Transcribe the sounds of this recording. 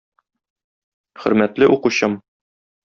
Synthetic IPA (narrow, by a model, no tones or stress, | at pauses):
χɵ̆ɾmæt̪lɘʔuquɕɤm